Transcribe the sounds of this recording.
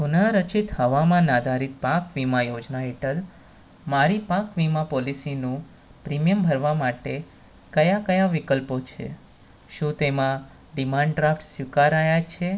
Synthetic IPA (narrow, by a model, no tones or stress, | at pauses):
kunaɾət͡ʃit̪həʋamãnad̪ʱaɾit̪̚pakʋimajod͡ʒnaɦeʈəl | maɾipakʋimãpɔlisinũ | pɾimijəmbʱəɾʋamaʈe | kəjakəjaʋikəlpot͡ʃʰḛ | ʃũt̪emã | ɖimãɳɖɖɾafʰʈsʋikaɾajat͡ʃʰe